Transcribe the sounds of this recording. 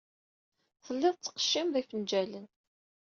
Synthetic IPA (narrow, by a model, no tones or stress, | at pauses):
θəlːɪðˤt͡sːə̥qə̥ʃːimðifənd͡ʒælən